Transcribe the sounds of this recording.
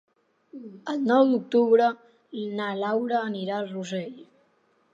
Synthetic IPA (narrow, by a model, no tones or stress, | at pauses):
əlˠnɔwd̪uk̚t̪uβɾə | nalawɾəːniɾalruzeʎ